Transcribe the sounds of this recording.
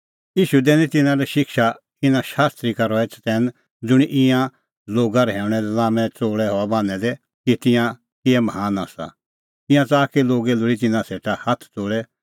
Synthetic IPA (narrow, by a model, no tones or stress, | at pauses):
jiːʃud̪ɛːnĩt̪ɪnãɾɛʃɪkʃa | ɪnãʃaːst̪ɾikaɾɔɛt͡st̪ɛːn | d͡zʊɽ̃iʔɪ̃jã | loːɡaɾɛɦɛːʊ̃ɽ̃ɛlãːmɛ̃t͡soːɭɛɦɔabãːnɛ̃d̪ɛ | kit̪ɪ̃jã | kɪɛmɦaːnasa̰ | t̪ɪ̃jãt͡saːkeloːɡɛlʊɽit̪ɪnãseːʈahɐt̪ʰtoːɭɛ